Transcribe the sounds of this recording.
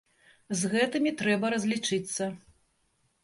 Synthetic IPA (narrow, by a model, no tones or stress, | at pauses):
zɣɛt̪ɨmʲit̪ɾɛbɐɾɐzʲlʲit͡ʂɨt̪sːɐ